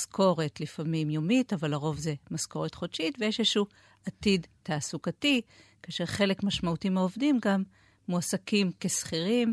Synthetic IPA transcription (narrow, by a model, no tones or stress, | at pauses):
skʰo̞ʁetlifamimjomitavalaʁo̞vze̞masko̞ʁetχodʃitvejeʃeʃu | atidtaːsukatikaːʃe̞ʁχe̞le̞kmaʃmautiimaovdimɡamː | uasakimke̞sχiʁim